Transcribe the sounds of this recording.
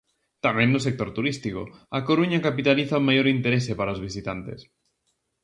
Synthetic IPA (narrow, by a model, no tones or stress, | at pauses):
t̪amjẽnːus̬ek̚t̪o̞ɾt̪uɾist̪iko̰akoɾuɲakapit̪aliθaumajo̞ɾint̪eɾesepaɾaozβ̞isit̪ant̪e̞̰s